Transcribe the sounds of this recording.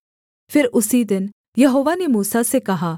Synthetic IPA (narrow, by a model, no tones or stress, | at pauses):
pʰɪɾʊsid̪ɪn | jɐɦoːʋanemuːsasekɐɦaː